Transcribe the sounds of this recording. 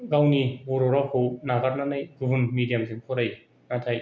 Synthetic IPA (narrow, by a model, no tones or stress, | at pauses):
ɡawnibɔɾɔɾakʰownaɡaɾ̚nanajɡɯbɯnmidijamziŋpʰɔɾaj | natʰaj